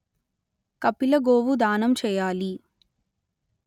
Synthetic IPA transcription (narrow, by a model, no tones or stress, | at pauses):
kɐpːilɐɡoːʋud̪aːnɐmt͡ʃɛːjaːli